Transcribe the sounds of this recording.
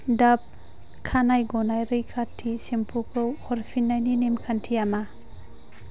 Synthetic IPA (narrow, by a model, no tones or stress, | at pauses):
dap̚ | kʰanajɡɔnajɾɯjkʰatʰːisempʰukʰɯwhɔɾpʰinːajninemkʰantʰijama